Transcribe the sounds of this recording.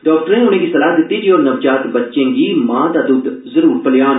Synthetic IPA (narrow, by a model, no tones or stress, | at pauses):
ɖɔːk̚ʈəɾẽʊn̤ẽːkisɐlaːɦd̪ɪt̪ːid͡ʒiɔːɾnɐʋd͡ʒaːt̪bɐtːʃẽːɡimãːd̪ad̪ʊd̪zɐɾuːɾpɐljaːn